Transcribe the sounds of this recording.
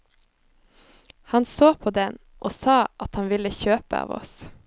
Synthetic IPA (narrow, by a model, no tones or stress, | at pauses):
hɑnsoːpʰoːd̪ɛn | ʔoːsɑːʔɑt̪hɑnʋɪləçøːpə̰ɑ̰ːʋɔ̰s